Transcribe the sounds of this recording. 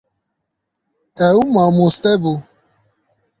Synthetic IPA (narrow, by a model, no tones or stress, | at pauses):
ɛumamust̪ɛbu